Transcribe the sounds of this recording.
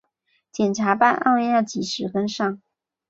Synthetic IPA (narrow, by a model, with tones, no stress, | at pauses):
t͡ɕjɛ˨˩nʈ͡ʂʰa˧˥pa˥˧nʔɑ̰˥˧ʊɛ˥˧njɑ˥˩t͡ɕi˨˩ʂɻ̩˨˧˥kə˥nʂɑ˥˩ŋ